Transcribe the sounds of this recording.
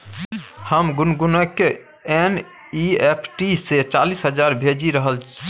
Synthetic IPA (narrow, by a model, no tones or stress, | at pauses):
həmɡunɡunəke | en | iepʰʈiset͡ʃalisɦəd͡ʒaɾbʱed͡ʒiɾəɦəl